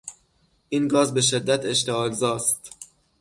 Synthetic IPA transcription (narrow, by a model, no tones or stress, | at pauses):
ʔiːnɡɒːzbe̞ʃe̞d̪ːæt̪ʰe̞ʃt̪eɒːlzɒːst̪